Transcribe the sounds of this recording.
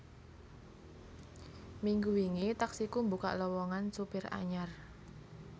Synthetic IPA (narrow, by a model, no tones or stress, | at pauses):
miŋɡuwiŋit̪aksikumbuka̰ʔlɔwɔŋansupɪra̰ɲar